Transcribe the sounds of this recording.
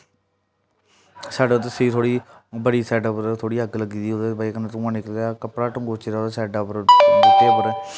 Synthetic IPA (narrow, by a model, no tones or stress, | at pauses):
saːɖet̪esiːt̪ʰoːɽiː | bəɽiːsɛːɖəpəɾt̪ʰoːɽiːəkləɡiːd̪iːod̪ebaːikənet̪ʊ̃ãːnɪkəld̪aːkəpɽaːʈʊ̃ŋɡoːt͡ʃeɾat̪eːsɛːɖapəɾdɪt̪ːeːəpəɾɛː